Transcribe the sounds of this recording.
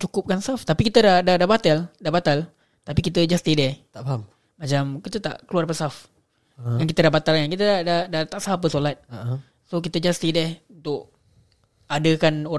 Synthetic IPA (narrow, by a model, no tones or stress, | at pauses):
t͡ʃukʊp̚kansaft̪apikit̪ədahdahdabat̪aldabat̪al | t̪apikit̪əd͡ʒast̪idɛht̪aʔpaam | mat͡ʃamkət̪ət̪a̰ʔkəluarpəsaf | jaŋkit̪ədabat̪alɲaŋkit̪ədadahdat̪aʔsaɦapəsolat̪̚ | sok̬it̪əd͡ʒast̪idɛhunt̪ʊʔ | adəkano